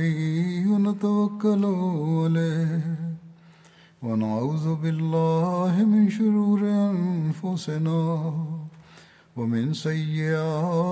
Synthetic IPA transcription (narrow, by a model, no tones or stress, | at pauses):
iɪwanat̪awakːalʊʕalaːhh | wanaʕuːðʊbɪlːaːhɪmɪnʃʊɾuːɾɪʔanfʊsɪnaː | wamɪnsajːɪʔaaː